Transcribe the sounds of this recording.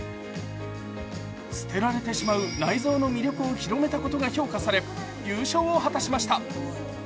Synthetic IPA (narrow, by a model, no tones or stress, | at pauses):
sɨ̥t̪e̞ɾaɾe̞t̪e̞ɕimaɯ̟naizo̞ːno̞mʲiɾʲo̞kɯ̟o̞çʲiɾo̞me̞t̪ako̞t̪o̞ɡaço̞ːkasaɾe̞ | jɯːɕo̞ːoɦat̪aɕimaɕi̥t̪a